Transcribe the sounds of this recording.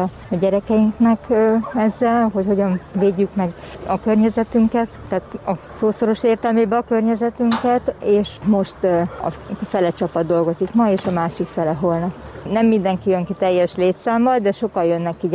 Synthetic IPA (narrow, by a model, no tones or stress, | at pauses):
ɟɛɾɛkɛjiŋknɛkɛzːɛlɦo̞cho̞ɟɒnveːɟːykmɛɡɒkørɲɛzɛt̪yŋkɛt̪ːɛaːt̪ɒsoːso̞ɾo̞ʃeːrt̪ɛlmeːbɛɒkø̞rɲɛzɛt̪yŋkɛt̪eːʃmo̞ʃt̪ɒ̰fɛlɛt͡ʃɒpɒd̪ːo̞lɡo̞zikmɒeːʃɒmaːʃikfɛlɛɦo̞lnɒpnɛmːind̪ɛŋkijøŋkit̪ɛjːɛʃleːt̪saːmːɒld̪ɛʃo̞kɒjønːɛkːi